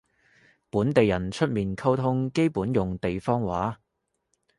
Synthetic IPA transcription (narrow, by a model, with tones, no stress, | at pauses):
puː˨˥nt̪e˨jɐ˨˩nt͡ʃʰɵ˥t̚miː˨nkʰɐ˥wt̪ʰʊ˥ŋke˥jpuː˨˥njʊ˨ŋt̪e˨jfɔː˥ŋwaː˨˥